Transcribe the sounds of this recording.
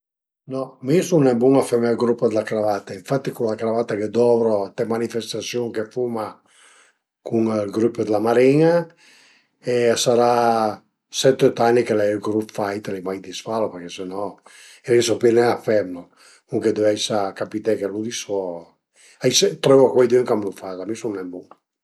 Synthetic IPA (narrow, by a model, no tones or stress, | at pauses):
nɔmisunɛbuŋafɛmlɡɾupːəd̪elakɾavat̪aiɱfat̪ːikulakɾavat̪aked̪ɔvɾot̪ɛmanifest̪asjuŋkefuma | kuŋlɡɾupːəd̪lamaɾiŋa | esaɾa | sɛt̪ːet̪anːikelɛɛlɡɾupfajt̪lɛjmajd̪isfalopeɾkɛsenɔ | ɛlisɔpɛnɛafɛmlo | kuŋked̪eɛjsakapit̪ɛkelud̪isɔ | ajset̪ɾɛvɔkwɛjd̪øŋkamlufazamisunnɛmbuŋ